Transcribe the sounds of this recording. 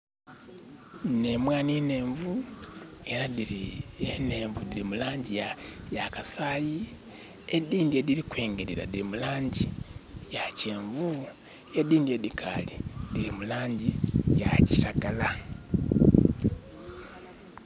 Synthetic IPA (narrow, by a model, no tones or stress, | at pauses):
ne̞mwaːnine̞ːɱvu | e̞ɾadiɾiene̞ːɱvudiɾimulaːɲɟijajakasaːji | ediːndiediɾikwe̞ːŋɡeɾiɾa̰diɾimulaːɲɟijaceːɱvu | ediːndiedikʰaːlidiɾimulaːɲɟijaci̥taɡala